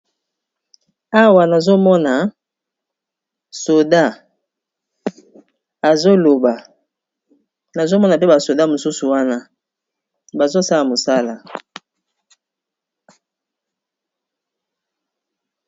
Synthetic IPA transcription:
a˦wa˨na˨zo˦mɔ˦na˨ | so˨da˦˨ | a˨zo˦lo˨ba˨ | na˨zo˦mɔ˦na˨pe˦ba˨so˨da˦mo˨su˦su˨wa˦na˦ | ba˨zo˦sa˦la˨mo˨sa˦la˨

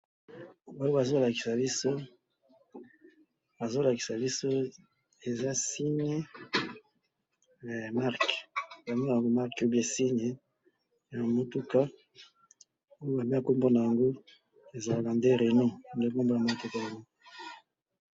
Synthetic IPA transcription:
ba˦o˦ba˨zo˦la˨ki̥˨sa˨bi˦so˦ | ba˨zo˦la˨ki˨sa˨bi˦so˦ | e˨za˦si˦ɲe˦˨ | ma˦ʁkba˨mi˦na˨a˨ŋɡo˦ma˦ʁko˦bi˦e˨si˦ɲe˨ | ja˨mo˨tu˦ka˦ | o˦jo˦ba˨m˦a˨ko˦mbo˦na˨ja˨ŋɡo˦ | e˨za˨la˨nde˦ʁe˨nu˦˨nde˦ko˦mbo˦ja˨ma˨tu˦ka˦ja˨ŋɡo˦

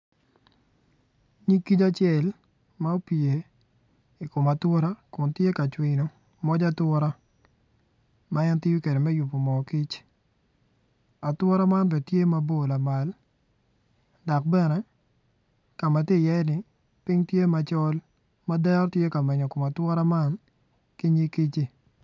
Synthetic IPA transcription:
ɲi˦kːi˦t͡ʃa˦t͡ʃɪɛ˨l | ma˦o˦pi˨e˨ | i˨ko˨ma˨twɔ˦ɾa˦kʊ˨ntje˦ka˨t͡ʃwɪ˨no˨ | mɔ˦d͡ʒa˦twɔ˦ɾa˦ | ma˦ɛ˦nti˦ju˦ke˨de˨mɛ˦ju˨pːo˨mɔ˨ki˦t͡ʃ | a˨twɔ˦ɾa˦ma˦nbɛ˨tje˦ma˦bo˨la˨ma˨l | da˨k̚bɛ˦˨nɛ˦ | ka˨ma˨ti˦˨jɛ˦nɪ˨ | pɪ˦ŋtje˦ma˨t͡ʃɔ˦l | ma˦dɛ˦ɾtje˦ka˨mɛ˨ɲɔ˨ko˨ma˨twɔ˦ɾa˦ma˦n | ki˦ɲi˦ki˦t͡ʃi˦

